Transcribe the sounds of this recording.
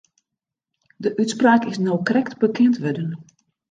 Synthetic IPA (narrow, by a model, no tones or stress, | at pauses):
dəʔytspraːkɪsnowkrɛktbəkʰɛntʋødən